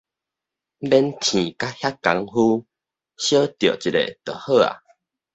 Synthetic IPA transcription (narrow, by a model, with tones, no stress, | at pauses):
bɛ˧nt̪ʰĩ˨ka˦hja˦ka˨˧˦ŋhu˦ | ɕjə˦t̪jo˨˩˨t͡ɕi˨˩lḛ˨t̪ə˨˩hə˥˧˨a̰˨